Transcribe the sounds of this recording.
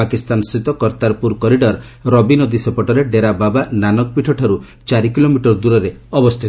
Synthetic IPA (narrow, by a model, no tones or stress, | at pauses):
akist̪ansɾit̪ɔkɔɾt̪aɾpuɾkɔɾiɖɔɾɾɔbinɔd̪isepɔʈɔɾeɖeɾababananɔk̚piʈʰɔʈʰɔɾu | t͡ʃaɾikilomiʈɔɾd̪uɾɔɾeɔbɔst̪ʰit̪